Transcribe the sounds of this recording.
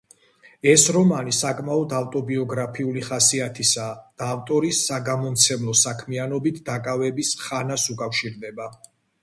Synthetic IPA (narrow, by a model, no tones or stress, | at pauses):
ɛsɾɔmanisakʼmaɔd̪avt̪ʼɔbiɔɡɾapʰiuliχasiat̪ʰisad̪̥aːft̪ʼɔɾisːaɡamɔmt̪sʰɛmlˠɔsakʰmianɔbit̪ʰd̪akʼavɛbisχanasukʼafʃiɾd̪ɛba